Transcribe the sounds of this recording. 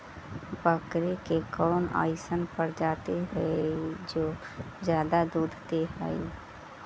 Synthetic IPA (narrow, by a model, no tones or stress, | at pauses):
bəkɾekekɔːna̰ːɪsənpəɾd͡ʒaːt̪eɦɛed͡ʒoː | zjaːd̪ad̪uːd̪ʱt̪eɦɛ̰i